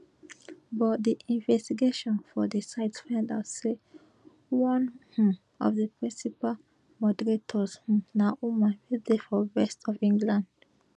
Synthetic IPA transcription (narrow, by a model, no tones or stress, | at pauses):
bɔt̚diʔĩnvɛstiɡeʃɔ̃nfɔdesaɪtsfãndaʊtse | wɔ̃nhũ | ɔ̰vðəpɹĩnsipal | mɔdəɹetʰɔzhũnaʔumãnwidefɔɹɛstɔvĩŋɡlãnd